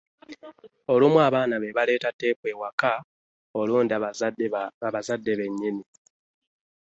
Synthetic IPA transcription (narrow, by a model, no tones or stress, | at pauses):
o̞lumwaːβaːnaβeβale̞ːtatːe̞ːpwe̞ːwaka | oluːndi | aβazadːe̞βe̞ɲːini